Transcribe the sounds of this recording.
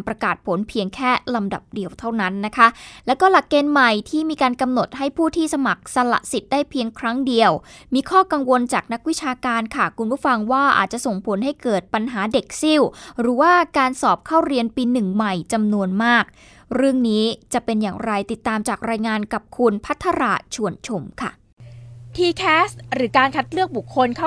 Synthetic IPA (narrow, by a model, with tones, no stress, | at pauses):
npɾa˧kaː˨˩t̪̚pʰo˩˦npʰi˧əŋkʰɛː˥˩la˧mda̰˨˩p̚di˧əwt̪ʰa˥˩wna˦˥nːa˦˥kʰa˦˥lɛː˦˥wkɔː˥˩la˨˩kːeː˧nma˨˩jt̪ʰiː˥˩miː˧kaː˧nka˧mno˨˩t̪̚ha˥˩jpʰuː˥˩t̪ʰiː˥˩sa˧ma˨˩k̚sa˧la̰˨˩ʔsi˨˩t̪̚daː˥˩jpʰi˧əŋkʰɾa˦˥ŋdi˧əwmiː˧kʰɔː˥˩ka˧ŋwo˧nt͡ɕaː˨˩k̚na˦˥k̚wi˦˥t͡ɕʰaː˧kaː˧nkʰa˥˩kʰu˧npʰuː˥˩fa˧ŋwaː˥˩ʔa̰˨˩t̪̚t͡ɕa˨˩so˨˩ŋpʰo˨˩˦nɦa˥˩jkɤː˨˩t̪̚pa˧nɦaː˩˦de˨˩k̚si˥˩wɾɯː˩˦waː˥˩kaː˧nsɔː˨˩p̚kʰaː˥˩wɾi˧ənpiː˧nɯ˨˩ŋma˨˩jt͡ɕa˧mnu˧ənmaː˥˩k̚ | ɾɯ˥˩əŋniː˦˥t͡ɕa˨˩pe˧njaː˨˩ŋɾa˧jt̪i˨˩t̪ːaː˧mt͡ɕaː˨˩k̚ɾaː˧jŋaː˧nka˨˩p̚kʰu˧npʰa˦˥t̪ʰːa˧ɾa̰˨˩t͡ɕʰu˨˩ənt͡ɕʰo˧mkʰa˥˩ | t̪ʰiː˧kʰɛː˦˥st̪ɾɯː˩˦kaː˧nkʰa˦˥t̪̚lɯ˥˩ək̚bu˨˩kʰːo˧nkʰa˥˩